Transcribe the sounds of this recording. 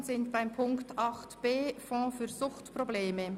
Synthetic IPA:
zɪntb̥aɪmpʰʊŋktɑχtb̥eːfɔ̃ːfyːʁzʊχtprobleːmə

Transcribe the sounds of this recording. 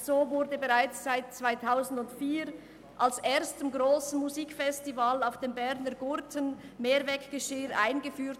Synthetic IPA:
z̥oːvʊɾdəbeʁaɪt͡sz̥aɪt̚t͡sv̥aɪtʰaʊzn̩dʊntfiːʁ | ʔalsʔeːɐstɪmɡʁoːsn̩muziːkfɛstivalaʊfd̥eːmbɛʁnəɡʊʁtʰənmeːɾvɛkɡ̥əʃɪːɾʔa̰ɪnɡəfyːt

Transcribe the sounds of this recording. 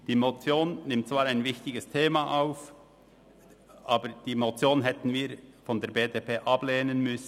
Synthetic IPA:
d̥iːmot͡sjoːnnɪmt̚t͡svaːɾaɪnvɪçtɪɡəstʰeːmaʔaʊf | ʔaːbəd̥iːmot͡sjoːnɦɛtn̩viːɾfɔndɛːɐɾbeːdepʰeːʔɑb̥leːnənmʏs

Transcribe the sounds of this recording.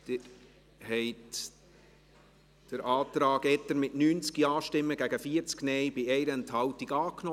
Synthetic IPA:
d̪̥ɪɾ | hɛɪt | d̥əɾʔɑːt̪ɾɑːɡɛt̪əɾmɪtnyːnt͡skiɑːʃtɪmːəɡæɡ̥əfiəɾt͡sknɛɪbɪɛɪɾəɛnthɑwtiɡɑːknɔ

